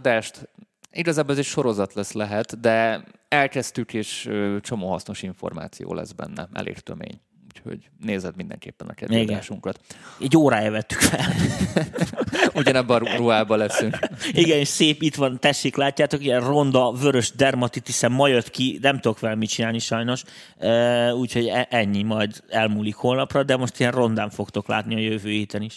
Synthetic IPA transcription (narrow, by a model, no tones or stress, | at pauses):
d̪aːʃt̪ | iɡɒzaːbolɛzɛʃo̞ɾo̞zɒt̪lɛslɛɦɛt̪d̪ɛ | ɛlkɛst̪ykeːʃøːt͡ʃo̞moːhɒsno̞ʃiɱfo̞̰rma̰ːt̪sijo̰ːlɛ̰zbɛ̰nːɛ̰ɛ̰lʔḛːrt̪ømḛːɲ | ucho̞̰ɟ | neːzɛd̪mind̪ɛ̰ŋkeːpːɛnɒkɛd̪iɡdɛaːʃuŋkɒt̪ɛɟːoːɾaːjɛvɛt̪ːy̥kfɛll | uɟɒnɛbːɾuɾuɦaːbɒlɛsyŋkiɡɛneːʃseːpit̪ʋɒnt̪ɛʃːeːklaːcːaːt̪o̞kijɛnro̞nd̪ɒvøɾø̞ʒd̪ɛrmɒt̪it̪isɛmːɒjøt̪kinɛmt̪ud̪o̞kʋɛlɛmit͡ʃinaːlniʃɒjno̞ʃ | øːuːcʰho̞ɟɛʔɛɲːimɒjd̪ɛlmuːlikho̞lnɒprɒd̪ɛmo̞ʃt̪ijɛnro̞nd̪aːɱfo̞kt̪o̞kla̰ːt̪niɒjøvøːhiːt̪ɛniʃ